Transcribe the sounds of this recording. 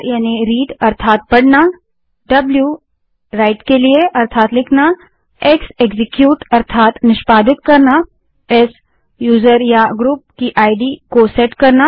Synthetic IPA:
jaːniɾiːɖɐɾt̪ʰaːt̪̚pɐɽna | ɖɐblju | ɾaːɪʈkelieʔɐɾt̪ʰaːt̪lɪkʰna | ekseɡzɪkjuːʈɐɾt̪ʰaːt̪nɪʃpaːd̪ɪt̪̚kɐɾna | ɛːs | juːzəɾjaɡɾuːp̚kiʔaːɪɖikosɛːʈkɐɾna

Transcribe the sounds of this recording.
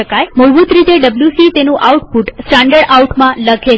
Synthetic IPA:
əkajməbut̪ɾit̪eɖəbljusit̪enũʔawuʈpuʈsʈãɳɖəɽauʈmãləɡʱe

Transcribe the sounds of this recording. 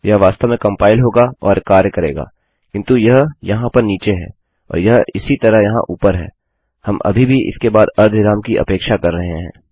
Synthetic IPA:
jɐɦʋaːst̪əʋmẽkɐ̃mpaːɪlɦoːɡaɔːɾkaːɾjəkɐɾḛːɡa̰ː | kɪ̃nt̪ujɐɦjɐɦãpɐɾniːt͡ʃeɦɛ̰ː | ɔ̰ːɾjɐɦɪsit̪ɐɾəɦjɐɦã̰ʔuːpəɾɦɛ̰ː | hɐmʔɐ̰bʱibʱiʔɪ̰skebaːd̪ɐɾd̪ʱɪɾaːmkiʔɐ̰peːkʃakɐɾːɐɦeɦɛ̰̃ː

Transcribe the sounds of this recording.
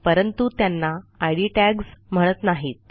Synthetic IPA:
pəɾənt̪ut̪janːaajɽiʈæɡsm̤əɽ̃ət̪naɦiːt̪̚

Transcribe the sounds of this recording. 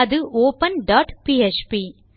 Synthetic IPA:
ɐd̪ɯʔoːpɐnɖaːʈpiːet͡ʃpiː

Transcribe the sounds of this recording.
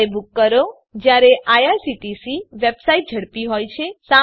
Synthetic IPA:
ebukːəɾo | d͡ʒjaɾeʔajasiʈisiʋebsaiʈ̚d͡ʒʱəɽpiɦojt͡ʃʰesa

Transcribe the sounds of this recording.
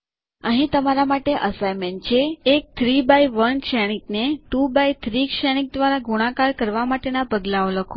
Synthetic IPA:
əɦĩt̪əmaɾamaʈeʔəsajment͡ʃʰeːk̚t̪ʰɾibaiʋənkʃɛɽ̃ik̚neʈubait̪ʰɾikʃɛɽ̃ik̚d̪ʋaɾaɡuɽ̃akaɾkəɾʋamaʈenapəɡlaoləkʰu

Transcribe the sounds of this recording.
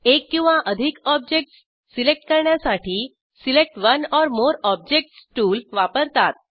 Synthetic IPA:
ekːĩw̃ʋaʔəd̪ʱikɔb̚d͡ʑek̚ʈsː | ilek̚ʈkəɾɳjasaʈʰiː | silek̚ʈʋənɔɾmoɾɔb̚d͡ʑek̚ʈsʈuːlʋapəɾt̪at̪̚

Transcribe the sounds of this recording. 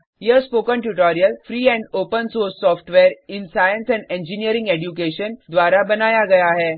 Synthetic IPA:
jəspokəɳʈuʈɔɾijəlfɾiːɛ̃ɳɖopənsoɾsːɔfʈʋeɾinsajənsɛ̃ɳɖẽɲd͡ʑiniəɾĩŋɡeɖjuk̬eɕənd̪ʋaɾabənajaɡəjaːɦe

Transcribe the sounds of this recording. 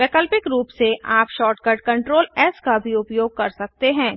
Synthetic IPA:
ʋɛːkəlpɪkɾuːpseʔaːpʃɔːɾʈkɐɾɖ̚kɐ̃ɳʈɾoːlɛːskabʱiʊpjoːɡ̚kɐɾsɐk̚t̪eɦɛ̃ː

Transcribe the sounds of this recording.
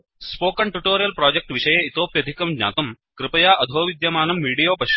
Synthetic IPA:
spoːkɐɳʈuʈoːɾijɐlpɾaːd͡ʒek̚ʈʋiʂɐjɐit̪oːpjɐd̪ʱikɐmɡɲa̰ːt̪ɐmkɾɪpɐjaːʔɐd̪ʱoːʋid̪jɐmaːnɐmːiːɽijoːpɐʃ

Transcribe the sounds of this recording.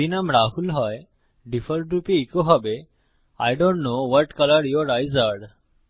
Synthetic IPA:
inamɾaɦulɦɔj | ɖifəɾɖɾupiikoɦɔbe | a̰jɖõɳʈnowɔʈkʌləɾjɔɾajzaɖ

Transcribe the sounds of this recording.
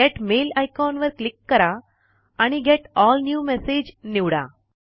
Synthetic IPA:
ɡɛʈmelajkɔnʋəɾklikːəɾaː | ɽ̃iɡɛʈɔːlnjuːmɛsed͡ʑniʋɽa̰

